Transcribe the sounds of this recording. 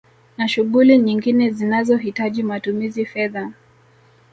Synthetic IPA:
naʃuɠuliɲiŋɡinɛzinazɔɦitaʄimatumizifɛða

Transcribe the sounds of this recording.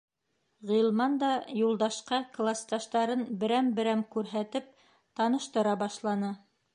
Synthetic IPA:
ʁilˠmɑnd̪ɑjulˠd̪ɑʃqɑklˠast̪ɑʃt̪ɑɾɤnbɘ̆ɾæmbɘ̆ɾæmkʉɾɦæt̪ɘp̚ | t̪ɑnɤ̆ʃt̪ɤ̆ɾɑbɑʃlˠɑnɤ

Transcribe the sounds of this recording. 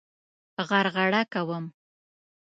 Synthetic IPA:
ɣaɾɣaɽakawəm

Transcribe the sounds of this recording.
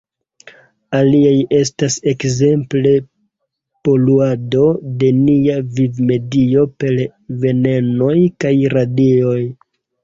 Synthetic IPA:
aliaje̞s̬tase̞kze̞mple̞ | po̞luado̞de̞niavivme̞dio̞pe̞l | ve̞ne̞no̞jkajɾadio̞j

